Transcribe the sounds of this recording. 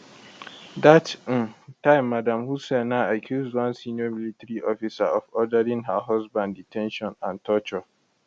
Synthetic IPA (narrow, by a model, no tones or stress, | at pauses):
dat̩tãɪ̃mːadãmhusɛnãakʰjuzdwãnsĩnɔmilitɹiʔɔfisa̰ʔɔfɔdəɾĩŋɦəɦɔzbãnditʰɛ̃nʃɔ̃nãntʰɔt͡ʃɔ